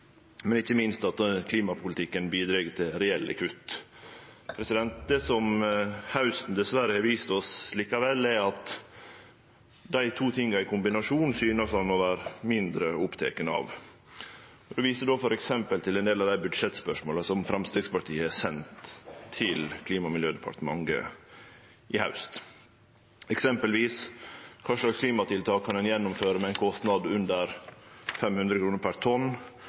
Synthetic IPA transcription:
mɛnɪçːəmɪnst̪ɑt̪kʰliːmɑpʰʊlɪt̪ʰɪkːənbiːd̪ɾeːɡət̪ʰɪlɾɛɛlːə̰kʰʉt̪ː | pʰɾɛsɪd̪ɛnt̪̚d̪eːsɔmhɑʉsn̩d̪ɛsʋæɾəhɑɾʋiːst̪ɔsliːkɑʋɛlːɛɾɑt̪ | d̪æɪt̪ʰuːt̪ʰɪŋːɑɪkʰʊmbɪnɑʂuːnsyːnəsɑnmɔʋæːɾmɪnd̪ɾəʊpt̪ʰḛːkənəɑ̰ʋ | ɔd̪ɛʋiːsəd̪oːfɔɾɛksɛmpəlt̪ʰɪlɛnd̪eːlɑʋd̪æɪbʉd̪ʂɛt̪spœʂmoːləsɔmfɾɑmst̪eːɡspɑʈʰiːəæsɛnt̪ʰːɪlkʰliːmɑmɪljøːd̪ɛpʰɑ̰ʈ̪əmɑ̰ŋɡə̰ | ʔɪhaʉst̪ | ɛksɛmpəlʋiːskʰɑːʂlɑkskʰliːmɑt̪ɪlt̪ʰɑːkʰːɑnɛnjɛnːʊmføːɾəmɛæɪnkʰɔst̪nɑd̪ʉnd̪əɾfɛmhʉnd̪ɾəkɾuːnəɾpʰæɾt̪ʰɔn

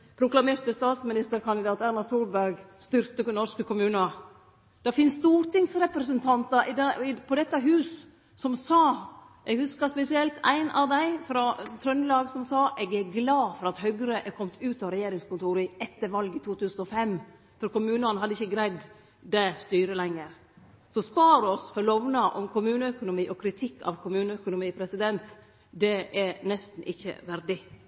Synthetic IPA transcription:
pʰɾʊklɑmeːɾt̪əst̪ɑːt̪smɪnɪst̪əɾkʰɑnd̪ɪd̪ɑːt̪æɾnɑsuːlbæɾɡst̪ʏɾt̪ənɔɾskəkʊmʉːnɑ | d̪̥ɑfɪnsst̪uːɾt̪ɪŋsɾɛpɾəsənt̪ʰɑnt̪ɑʔɪd̪ɪpʰɔd̪ɛt̪ːəɦʉːsː | ɔmsɑː | ʔɛɡhʉskɑspɛsɪɛlt̪æ̰ɪnɑ̰ʋd̪æɪfɾɑt̪ʰɾœnlɑːɡsɔmsɑːʔɛɡæɡlɑːfɔɾɑt̪hœɡɾəʔɛkʰɔmt̪ʰʉːt̪ɑɾɛjeːɾɪŋskʊnt̪ʰuːɾəɛt̪ːəɾʋɑlɡɪt̪uːt̪ʰʉːsn̩ɔfɛmː | fɔɾkʊmʉːnəɔnhɑd̪ːəɪçəɡɾæɪd̪ | d̪æɪst̪yːɾəlɛŋːəɾ | sɔspɑːɾɔsfɔɾlɔʋnɑʔɔmkʰʊmʉːnəœkʊnʊmiːʔɔkʰɾɪt̪ʰɪkːɑ̰ʋkʰʊmʉːnəœkʊnʊmiːpʰɾɛsɪd̪ɛnt̪ | d̪ɛʔɛnɛst̪n̩ʔɪçːə̰ʋæɾɖɪ

